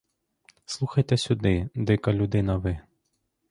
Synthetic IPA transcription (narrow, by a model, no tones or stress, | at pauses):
slˠuxɐjt̪ɛsʲʊd̪ɪd̪ɪkɐlʲʊd̪ɪnɐʋɪ